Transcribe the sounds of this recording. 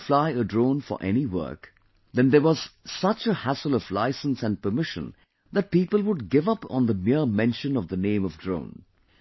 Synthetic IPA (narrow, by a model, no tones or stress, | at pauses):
flaɪədɹõʊ̃nfə̰ɹʔɛ̰niwɜ̰˞k | ðɛ̃nd̪əwɔz̥sʌt͡ʃəhæsəlˠɔvla̰ɪsə̃nsæ̃n̚pə˞mɪʃə̰̃n | ðæt̚piːpəlˠwʊɖ̚ɡɪvʌpn̩ðəmɪɹmɛ̃nʃə̃nʌvðənẽɪ̃mʌvdɹõ̰ʊ̃n